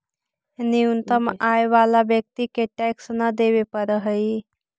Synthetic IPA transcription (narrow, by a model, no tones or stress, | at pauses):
niunt̪əmaeʋalabjək̚t̪ikeʈɛksnəd̪ebepəɾəɦəj